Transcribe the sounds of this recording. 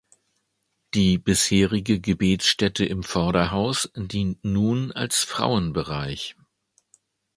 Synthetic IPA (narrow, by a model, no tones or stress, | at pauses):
d̥iːbɪsheːʁɪɡəɡəbeːtsʃtɛtʰəʔɪmfɔɐɾɐɦaʊsd̥iːntnuːna̰lsfʁ̥a̰ʊənbəʁaɪç